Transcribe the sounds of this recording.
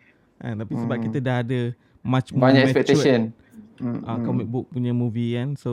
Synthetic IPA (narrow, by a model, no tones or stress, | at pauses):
ʔa̰t̪apisəbap̚kit̪ədaɦadə | mãt͡ʃmbaɲaɛɛfɛt͡ʃ̪esən | ʔakɔmik̚bʊk̚puɲəmuvikanso